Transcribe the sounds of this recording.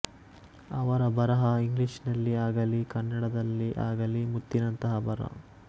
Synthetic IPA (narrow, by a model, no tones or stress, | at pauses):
ɐʋɐɾɐbɐɾɐɦɐiŋɡliʂnɐlːiaːɡɐlikɐnːɐɽɐd̪ɐlːiʔaːɡɐlimut̪ːinɐnt̪ɐɦɐbɐɾɐ̰